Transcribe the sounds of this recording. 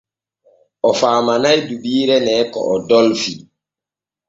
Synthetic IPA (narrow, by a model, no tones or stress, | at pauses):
ʔɔfaːmanajdubiːɾɛnɛːkɔ̰ʔɔdɔlfi